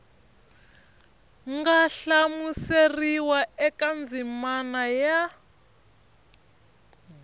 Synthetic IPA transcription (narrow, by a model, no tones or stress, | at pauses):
ŋɡaɬamuseriwaɛkand͡zʱimanaja